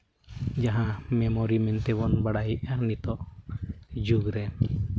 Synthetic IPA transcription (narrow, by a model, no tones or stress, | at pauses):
d͡ʒaɦãmɛmɔɾimɛnt̪ɛβɔnbaɽajiʔaɾnit̪ɔʔ | d͡ʒuɡɾɛ